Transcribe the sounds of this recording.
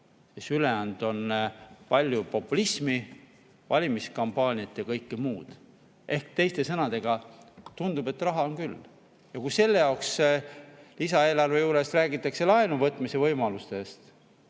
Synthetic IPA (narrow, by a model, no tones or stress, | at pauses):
sesyleænd̪̥o̞npɑlʲjupo̞pːˑulismi | vɑlʲimiskɑmpːˑɑːnʲiɑt̪jɑkɤjkːimuːd̪̥ | ʔe̞hkt̪e̞jst̪e̞sɤnɑd̪̥e̞ɡ̥ɑt̪und̪̥ube̞t̪ːrɑɦɑo̞nkylː | jɑkuse̞lːejɑwks | lisɑe̞ːlɑrve̞juːɾe̞st̪ræːɡit̪ːˑɑkse̞lɑenuvɤt̪ːˑmise̞vɤjmɑlust̪e̞st̪